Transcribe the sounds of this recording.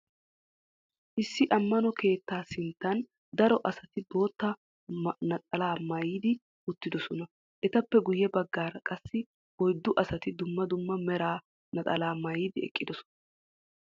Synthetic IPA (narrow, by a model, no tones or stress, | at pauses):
ʔɪsːɪʔɐmːɐnɔke̞ːt̪ːaːsɪnt̪ːɐn | d̪ɐɾɔʔɐsɐt̪ɪbo̞ːt̪ːɐ | nɐt̪ʼɐlaːmɐjiːd̪ɪ | ʊt̪ːɪd̪ɔsɔnɐ | ʔɛt̪ɐpːɛɡʊjɛbɐɡːaːɾɐkʼɐsːɪ | wɔjd̪ːʊʔɐsɐt̪ɪd̪ʊmːɐd̪ʊmːɐmɛɾaː | nɐt̪ʼɐlaːmɐjiːd̪ɪɛ̰kʼːɪd̪ɔsɔ̥nɐ̥